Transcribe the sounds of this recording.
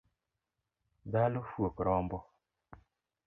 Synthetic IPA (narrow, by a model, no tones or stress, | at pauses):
dalufuokɾɔmbɔ